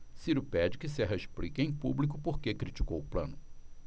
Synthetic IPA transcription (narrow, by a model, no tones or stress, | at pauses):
siɾʊpɛd͡ʒɪkɪsɛɦɐeʃplḭkẽj̃publik̬ʊpoɾkekɾit͡ʃi̥kowʊplɐ̰̃nʊ